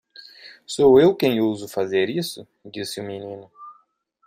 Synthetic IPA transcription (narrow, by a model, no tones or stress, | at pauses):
sowewkẽj̃owzʊfazeɾisʊ | d͡ʒisɪuminĩnʊ